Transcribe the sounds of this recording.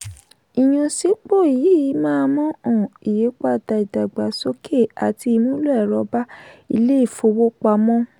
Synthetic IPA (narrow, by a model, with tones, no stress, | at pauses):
i˨j̃ũ˧si˨˦k͡po˦˨i˨ji˨˦mãː˦˧mɔ̃˦ɔ̃˨i˨je˨˦k͡pa˦˨da˧i˨da˨ɡ͡ba˨˦so˦kʰe˦˨a˨ti˧i˧mũ˦lo˦ɛ˦˨ɾɔ˧˦ba˦ḭ˧le˦i˦˨fo˧˦wo˦k͡pa˧mɔ̃˦